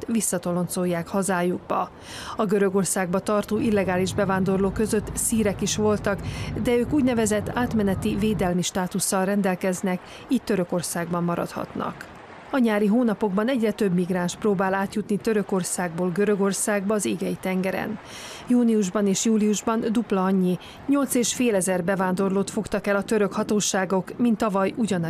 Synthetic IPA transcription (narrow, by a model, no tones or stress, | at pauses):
ʋisːɒt̪o̞lo̞nt̪so̞jːaːkhɒzaːjuɡ̚bɒ̰ | ɒɡøɾø̞ɡo̞rsaːɡbɒt̪ɒrt̪oːʔilːɛɡaːliʒbɛvaːnd̪o̞rloːkø̞zø̞t̪ːsiːɾɛkiʃʋo̞lt̪ɒkd̪ɛøːkuːɟnɛvɛzɛt̪ːaːt̪mɛnɛt̪iveːd̪ɛlmiʃt̪aːt̪usːɒlrɛnd̪ɛlkɛznɛk | ic̪t̪ːø̞ɾø̞ko̞rsaːɡ̚bɒmːɒɾɒ̰t̪hɒ̰t̪nɒ̰k | ɒɲaːɾiɦoːnɒpo̞ɡbɒnɛɟrɛt̪ø̞bmiɡraːnʃproːbaːlaːt̪jut̪nit̪ø̞ɾø̞ko̞rsaːɡboːlɡø̞ɾø̞ɡo̞rsaːɡ̚bɒːzeːɡɛjit̪ɛŋɡɛɾɛ̰n | juːniuʒbɒneːʃjuːliuʒbɒnd̪uplɒɒɲːi | ɲo̞lt̪seːʃfeːlɛzɛrbɛvaːnd̪o̞rloːt̪fo̞kt̪ɒkɛlɒt̪øɾø̞khɒt̪oːʃaːɡo̞kmint̪ːɒvɒjuɟɒn